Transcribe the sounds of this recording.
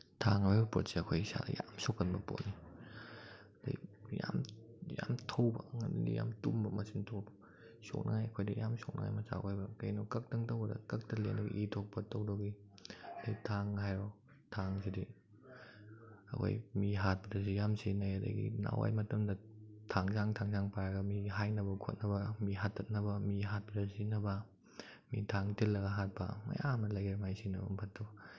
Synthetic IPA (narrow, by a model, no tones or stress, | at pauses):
tʰaŋbajbɐpotseɐkʰojisa̰dɐ̰jamsokːɐnbɐpo̰ni | d̥ajjamjamtʰowbɐŋɐndḭdḭjamtumbɐmɐsintʰobɐ̥ | so̰k̚naŋajɐkʰojdɐjamsok̚na̰ŋa̰jmɐsa̰kajbɐkɐjnɔkɐk̚tɐŋtɐwɐdɐkɐk̚tɐlenɐɡḭʔitʰok̚pɐtowdɔɡi | ɐdajtʰaŋhajɾɔ | tʰaŋsidi | ɐ̰kʰo̰jmiɦat̚pɐdɐzijamsinɐjɐdɐ̰jɡḭna̰wa̰jmɐtɐmdɐtʰaŋzaŋtʰaŋzaŋpaɾaɡɐmiɦajnɐbɐkʰo̰t̚nɐbɐmiɦatʰːɐt̚nɐbɐmiɦat̚pɐdɐzinɐbɐ | mitʰaŋtilːɐɡɐɦat̚pɐ̰mɐ̰jamnɐlɐjɾmajsinɐbɐmpʰɐtʰːɐb